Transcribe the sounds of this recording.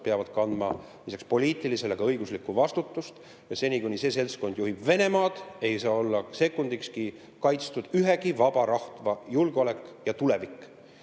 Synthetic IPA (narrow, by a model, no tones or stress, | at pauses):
peɑvɑd̪̥kɑnd̪mɑ̰ | lisɑkspo̞liːt̪ːˑilise̞leɡ̥ɑɤ̞jɡ̥uslikːˑuvɑst̪ut̪ːˑust̪ | jɑse̞nʲikunʲise̞s̬e̞lsko̞nd̪̥juɦib̥ve̞ne̞mɑːd̪̥e̞jsɑːo̞lːɑse̞kːˑund̪ikski | kɑjt̪st̪ud̪̥yɦe̞ɡivɑbɑɾɑht̪vɑjulɡ̥eo̞le̞kːˑjɑt̪ule̞vikː